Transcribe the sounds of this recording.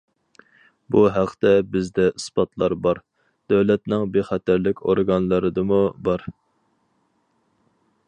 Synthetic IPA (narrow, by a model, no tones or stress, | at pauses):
buɦæqʰt̪ɛbɪzd̪ɛɨspɑt̪ʰlˠɑɾbɑɾ | d̪̥ɛwlɛt̪nɪŋbeχæt̪ʰæɾlɪkʲo̰ɾɡɑnlˠɨɾɨd̪ɨmubɑɾ